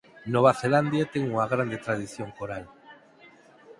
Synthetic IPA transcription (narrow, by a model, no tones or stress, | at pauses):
noβ̞aθeland̪jat̪eŋuŋaɣ̞ɾand̪et̪ɾað̞iθjoŋkoɾal